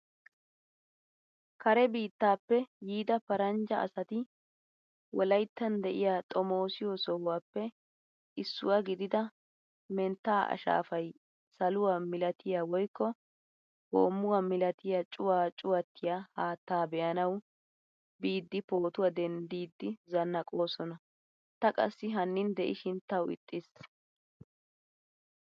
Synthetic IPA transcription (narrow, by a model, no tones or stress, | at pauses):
kɐɾɛbiːt̪ːaːpːɛjiːd̪ɐpɐɾɐnd͡ʒɐʔɐ̰sɐt̪ɪ | wɔlɐjt̪ːɐnd̪ɛʔɪjaːt̪ʼɔmo̞ːsɪjɔsɔhʊwaːpːɛ | ʔɪsːʊ̰waɡɪd̪ɪd̪ɐ | mɛnt̪ːaːʔɐ̰ʃa̰ːfɐj | sɐlʊwaːmɪlɐt̪ʰɪjaːwɔjkːɔ | ho̰ːmːʊwamɪlɐt̪ɪjat͡ʃʼʊwaːt͡ʃʼʊwɐt̪ʰːɪjahaːt̪ːaːbɛʔɐnɐw | biːd̪ːɪpo̞ːt̪ʊwad̪ɛnd̪iːd̪ːɪzɐnːɐkʼo̞ːsɔnɐ | t̪ɐkʼɐ̰sːɪɦɐnːɪnd̪ɛʔɪʃɪnt̪ɐwɪ̰t̪ʼːɪs